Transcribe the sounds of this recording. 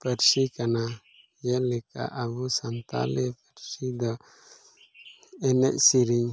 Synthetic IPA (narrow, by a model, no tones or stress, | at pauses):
pɛɾsikana | jɛlɛka̰ʔːbusant̪a̰lɛpɛɾsid̪ɔ | ɛnɛʔsiɾiŋ